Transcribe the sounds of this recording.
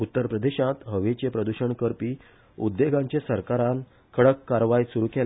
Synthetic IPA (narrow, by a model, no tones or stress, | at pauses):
ut̪ːəɾpɾəd̪eɕãt̪ɦəʋet͡ɕepɾəd̪uɕəɳkəɾpiː | ud̪ːeɡʱãɲt͡ɕesəɾkaɾan | kʰəɽəkːaɾʋajsuɾukel